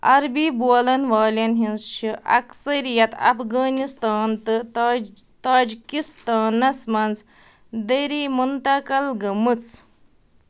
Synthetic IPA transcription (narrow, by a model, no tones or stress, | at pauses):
ɐ̰ɾbiːboːlɐnʋaːlʲɐnɦĩnst͡ʃʰiʔɐ̰ksɐɾijɐt̪ɐ̰pʰɡɐːnist̪aːnt̪ɨ | t̪aːd͡ʒikist̪aːnɐsmɐnz | d̪eɾimunt̪ɐkɐlɡɐmɨt͡s